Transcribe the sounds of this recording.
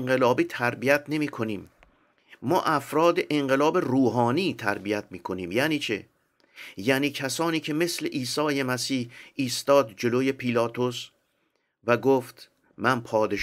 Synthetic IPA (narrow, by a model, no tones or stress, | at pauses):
ŋɢe̞lɒːbiːt̪ʰæɾbijæt̪ʰne̞miːkʰo̞niːmː | ɒ̰ːʔæfɾɒːd̪e̞ʔeɴɢe̞lɒːbe̞ruːɦɒːniːt̪ʰæ̰ɾbijæt̪ʰmiːkʰo̞niːmjæːniːt͡ʃʰe | jæniːcʰæsɒːniːcʰe̞me̞sle̞ʔiːsɒːjemæsiːhiːst̪ɒːd̪̚d͡ʒe̞loje̞pʰilɒːt̪ʰos | væɡoːft̪ | mænpʰɒːd̪eʃ